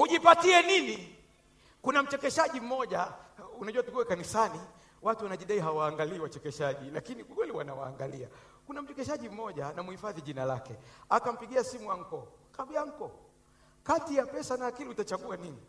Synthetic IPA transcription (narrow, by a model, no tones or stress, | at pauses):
huʄipatiɛnini | kunam̩t͡ʃɛkɛʃaʄim̩mɔʄaunaʄuwatukuɛkanisani | watuwanaʄiɗaiɦawaːŋɡaliːwat͡ʃɛkɛʃaʄilakinikukwɛliwanawa̰ːŋɡalia̰ | kunam̩t͡ʃɛkɛʃaʄim̩mɔʄanamuhifaðiʄinalakɛakam̩piɡiasimujaŋ̩kɔkaɓijaŋ̩kɔ | katijapɛsanaːkilihutat͡ʃaɠuanini